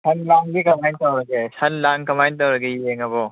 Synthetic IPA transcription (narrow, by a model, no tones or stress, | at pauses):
sʰɐnlaŋɡikɐmajntɐwɾɐɡesɐnlaŋkɐmajntɐwɾɐɡejieŋɐbɔ